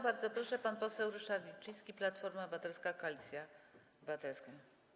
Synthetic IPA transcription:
baɾd̪zɔpɾɔʂɛpanpɔsɛwɾɘʂaɾbʲit͡ʂɘjskʲiplat̪fɔɾmabɘvat̪ɛlskakalʲit̪sʲja | bɘvat̪ɛlska

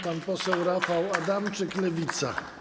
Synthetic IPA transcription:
panpɔsɛwɾafawad̪amt͡ʂɘklɛvʲit̪sa̰

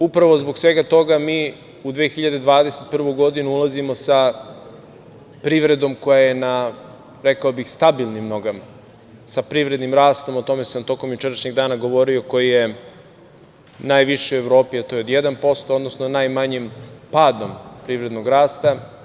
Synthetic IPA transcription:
upɾaʋo̞zbo̞ksʋe̞ɡat̪o̞ɡamiː | ud̪ʋeːxiʎad̪ed̪ʋaːd̪eset̪̚pr̩ʋojɡo̞d̪inuulˠazimo̞sa | pɾiʋɾe̞d̪o̞mko̞jaje̞na | ɾekaobixst̪abilˠnimnoɡam | sapɾiʋɾe̞d̪nimɾaːst̪o̞mot̪o̞me̞samt̪o̞ko̞mjut͡ʃeɾaʃɲeɡd̪aːnaɡo̞ʋo̞ɾioko̞jije | naːjʋiʃeueʋɾo̞ːpiat̪o̞jeod̪jed̪anpo̞st̪ood̪no̞snonajmaɲimpaːd̪o̞mpɾiʋɾed̪noɡɾaːst̪a

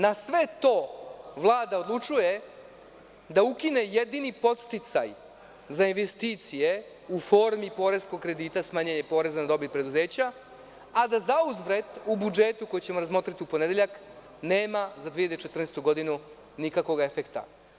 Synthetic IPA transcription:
nasʋe̞t̪o̞ːʋlˠaːd̪ao̞d̪lˠut͡ʂuje̞ | d̪aukine̞jed̪inipo̞t̪st̪it̪sa̰j | zainʋe̞st̪iːt̪sije̞ | ufo̞ːɾmipo̞ːɾe̞zko̞ɡ̚kɾe̞d̪iːt̪asmaːɲeɲe̞po̞ːɾe̞zanad̪o̞bit̪̚pɾe̞d̪uze̞ːt͡ɕaː | d̪azauzʋɾe̞d̪ubud͡ʒeːt̪uko̞jit͡ɕe̞moɾazmo̞ːt̪ɾat̪iupo̞ned̪e̞ʎak | neːmazad̪iːʎad̪et͡ʃe̞t̪r̩nest̪uɡo̞d̪inu | nikako̞ɡaefekt̪a̰

